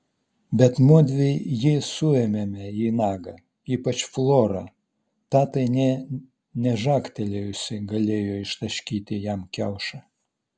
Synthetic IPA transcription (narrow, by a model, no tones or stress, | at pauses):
bʲɛt̪mʊd̪ʲʋʲejjɪsʊɛmʲɛmʲɛinɑːɡɐ | iːpɐt͡ʃflˠoːɾɑ̰ː | t̪ɑːt̪ɐɪnʲɛ | nʲɛʒɑːkt̪ʲɛlʲejʊsʲɐɪɡɐlʲeːjoːɪʃt̪ɐʃʲkʲiːt̪ʲɪjæmkʲɛʊʃɐ